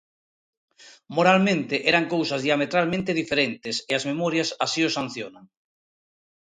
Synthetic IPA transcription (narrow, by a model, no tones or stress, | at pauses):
moɾalmẽnt̪eʔɛɾaŋkowsazðiamet̪ɾalmẽnt̪eðifeɾent̪eseazmemɔɾjasasiosan̟θjonaŋ